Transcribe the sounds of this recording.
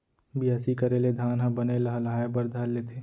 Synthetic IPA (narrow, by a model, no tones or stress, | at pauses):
bʱiasikəɾeled̪ʱaːnɦɐ̃bənelɐɦəlaːebəɾd̪ʱalːet̪ʰeː